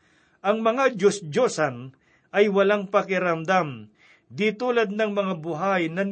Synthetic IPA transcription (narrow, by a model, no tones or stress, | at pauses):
ʔɐŋmɐŋad͡ʒosd͡ʒosɐn | ʔɐjwɐlaŋpɐkɪɾɐmd̪am | d̪it̪uːlɐd̪̚nɐŋmɐŋabʊɦajnɐn